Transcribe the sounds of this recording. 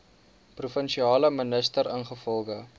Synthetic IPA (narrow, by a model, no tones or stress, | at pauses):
prufənʃiɑːləmənəstəɾənχəfɔlˠχə